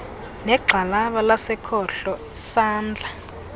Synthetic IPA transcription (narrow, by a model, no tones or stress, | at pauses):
nɛɡ͡ǃʱalaɓalasɛkʰɔɬɔ | saːnd͡ɮʱa